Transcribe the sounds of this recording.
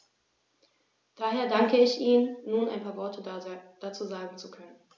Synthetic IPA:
d̥aːɦeːɐdaŋkəɪçʔiːnənːuːnʔa̰ɪnpʰaːɐvɔɐtəd̥at͡suːzaːɡŋ̩t͡sukʰœnən

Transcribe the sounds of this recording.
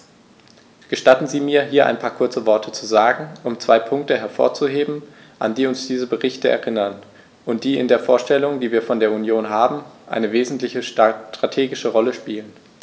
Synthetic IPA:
ɡ̥əʃtatn̩ziːmiːɐɦiːɐʔa̰ɪnpʰaːɐkʰʊɐt͡səvɔɐtʰət͡suzaːɡŋ̩ʔʊmt͡sv̥aɪpʰʊŋk̚təɦɛɐfo̰ːɐt͡suɦeːbm̩ | ʔa̰nd̥iːʊnsd̥iːzəbəʁɪçtəɛ̰ɐʁɪnɐn | ʔʊnt̚d̥iːɪndeːɐfoːɐʃtɛlʊŋd̥iːviːɐfɔndeːɐunjoːnɦaːbm̩ʔa̰ɪnəveːzn̩tlɪçətʁ̥atʰeːɡɪʃəʁɔləʃpiːlən

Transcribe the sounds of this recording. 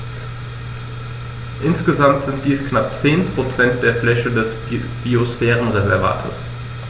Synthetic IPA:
ʔɪnsɡ̥əzamtz̥ɪntd̥iːsknap̚t͡seːnpʁ̥ot͡sɛnt̚d̥eːɐflɛçədɛs | b̥iosfɛːʁn̩ʁezɛɐva̰ːtʰə̰s

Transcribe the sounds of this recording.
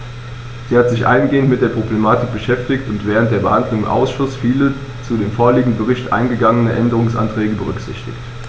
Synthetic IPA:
z̥iːhatz̥ɪçʔa̰ɪnɡeːəntmɪtd̥eːɐpʁ̥oblemaːtɪk̚b̥əʃɛftɪçtʊntv̥ɛːʁ̞əntd̥eːɐbəhandlʊŋʔa̰ʊsʃʊsfiːlə | t͡sudeːmfoːɐliːɡŋ̩d̩bəʁ̞ɪçtʔa̰ɪnɡəɡaŋənəʔɛndəʁ̞ʊŋsʔa̰ntʁ̥ɛːɡəbəʁ̞ʏ̰kz̥ɪ̰çtɪ̰çt

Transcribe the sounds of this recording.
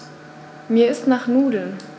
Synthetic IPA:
miːɐɪstnaːχnuːdl̩n

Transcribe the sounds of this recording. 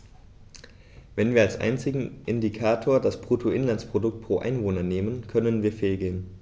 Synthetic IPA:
vɛnviːɐalsʔa̰ɪnt͡sɪɡŋ̩ʔɪndikʰaːtʰoːɐdaspʁ̥uːtʰoʔɪnlanspʁ̥odʊk̚t̚pʁ̥oːʔa̰ɪnvoːnɐneːmənkʰœnənviːɐfeːlɡeːn

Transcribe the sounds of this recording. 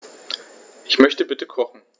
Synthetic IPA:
ʔɪçmœçtəbɪtəkʰɔχn̩

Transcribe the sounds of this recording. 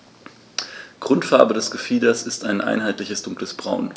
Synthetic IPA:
ɡ̥ʁʊntfaɐbədɛsɡ̥əfiːdɐsɪstaɪnʔa̰ɪnɦaɪtlɪçəsd̥ʊŋkləsb̥ʁaʊn

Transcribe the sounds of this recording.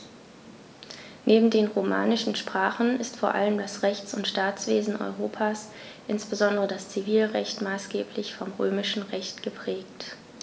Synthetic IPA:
nʔeːbm̩deːnʁoma̰ːnɪʃn̩ʃpʁ̥aːχn̩ɪstfoːɐʔa̰ləmdasʁɛçt͡sʊntʃtaːt͡sv̥eːzn̩ʔɔ̰ʏʁoːpʰaːs | ʔɪnsb̥əzɔndəʁədast͡siviːlʁɛ̰çtmaːsɡ̥eːpʰlɪçfɔmʁø̰ːmɪʃn̩ʁɛçtɡ̥əpʁ̥ɛːk̚t

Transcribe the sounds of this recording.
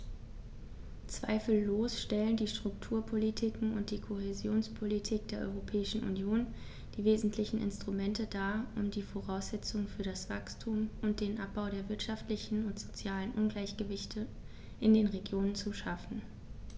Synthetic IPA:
t͡sv̥a̰ɪfl̩ːoːsʃtɛləndiːʃtʁ̥ʊktʰuːɐpʰolitʰikŋ̩ʊnt̚d̥iːkʰohezjoːnspʰolitʰiːk̚d̥eːɐʔɔ̰ʏʁopʰɛːɪʃn̩ʔṵnjoːn | d̥iːveːzn̩tʰlɪçn̩ʔɪ̰nstʁ̥umɛntədaːʔʊmdiːfoʁaʊsz̥ɛt͡sʊŋfyːɐɾasv̥akstʰuːmʊnt̚d̥eːnʔap̚b̥aʊɾeːɐvɪɐtʃaftlɪçn̩ʊntz̥ot͡sjaːlənʔʊnɡlaɪçɡ̥əvɪçtʰə | ʔɪndeːnʁeɡjoːnənt͡suʃafn̩

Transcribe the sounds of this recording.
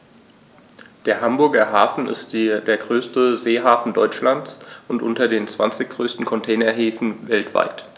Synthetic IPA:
d̥eːɐɦambʊɐɡɐɦaːfn̩ɪ̰std̥deːɐɡʁøːstəzeːɦaːfn̩dɔʏt͡ʃlant͡sʔʊntʔʊntɐdeːnt͡sv̥a̰nt͡sɪçɡ̥ʁøːstn̩kʰɔntʰɛːnɐɦeːfn̩vɛltv̥a̰ɪt

